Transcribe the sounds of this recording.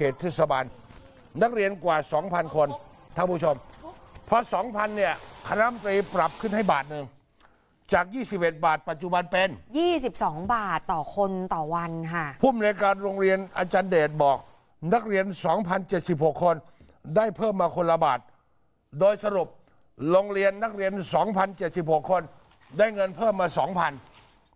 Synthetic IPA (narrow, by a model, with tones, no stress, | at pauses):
kʰeː˨˩t̪ʰːeː˧˩t̪̚sa˧baː˧nː | a˦˥˩k̚ɾi˧ənkwaː˨˩sɔː˩˦ŋpʰa˧nkʰo˧n | t̪ʰa˧˥˩pʰuː˧˥˩t͡ɕʰo˧mpʰɔ˧˥sɔː˩˦ŋpʰa˧nːi˥˩əkʰa˧na˦˥ma˧t̪ɾiː˧pɾa˨˩p̚kʰɯ˥˩nɦa˥˩jbaː˨˩t̪̚nɯ˨˧ŋ | t͡ɕaː˨˩k̚jiː˥˩si˨˩p̚ʔe˨˩t̪̚baː˨˩t̪̚pa˨˩t̪̚t͡ɕu˨˩ba˧npɛː˧njiː˥˩si˨˩p̚sɔː˩˦ŋbaː˨˩t̪ːɔː˨˩kʰo˧nt̪ɔː˨˩wa˧nkʰa˥˩pʰuː˥˩˨ma˧lːkaː˧nɾo˧ŋɾi˧ənʔaː˧t͡ɕaː˧ndeː˨˩t̪̚bɔː˨˩k̚ | na˦˥k̚ɾi˧ənsɔː˩˦ŋpʰa˧nt͡ɕe˨˩t̪̚si˨˩p̚ho˨˩kʰːo˧n | daː˥˩jpʰɤː˥˩mːaː˧kʰo˧nla˧ba̰ː˨˩t̪̚ | doː˧jsa˧ɾu˨˩p̚ | ɾoː˧ŋɾi˧ənːa˦˥˩k̚ɾi˧ənsɔː˩˦ŋpʰa˧nt͡ɕe˨˩t̪̚si˨˩p̚ho˨˩kʰːo˧n | daː˥˩jŋɤ˧npʰɤː˥˩mːaː˧sɔː˩˦ŋpʰa˧n